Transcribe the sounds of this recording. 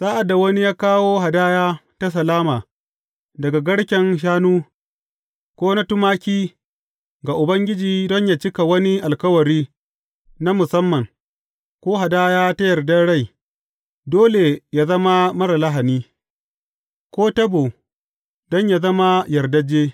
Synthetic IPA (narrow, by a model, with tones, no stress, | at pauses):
z̥aː˦ʔa˨da˨wɐ˦ni˦jaː˦kaː˦woː˦ɦa˨daː˦jaː˦ta˦s̬ɐ˨laː˦maː˨ | dɐ˨ɡa˨ɡɐ˦ɽkʲɛ˨nʃ̬aː˦nuː˦ | kʷoː˦na˦tʊ˦maː˦kʲiː˦ | ɡa˨ʔʊ˨bɐ˦ŋɡʲɪ˦d͡ʒiː˨dɔ˦ɲja˦t͡ʃɪ˦ka˨wɐ˦ni˦ʔa˨lkɐ˦wɐ˨ɾiː˦ | na˦mʊ˨sɐ˦mːɐ˨ŋ | kʷoː˦ɦa˨daː˦jaː˦ta˦jɐ˨rdɐ˦ɽa˦˨j | doː˦le˨ja˦zɐ˦ma˦mɐ˦ɾa˨la˦ɦa˨niː˦ | kʷoː˦tɐ˦bo˨ | dɔ˦ɲja˨zɐ˦ma˦jɐ˨ɾdɐ˦d͡ʒeː˦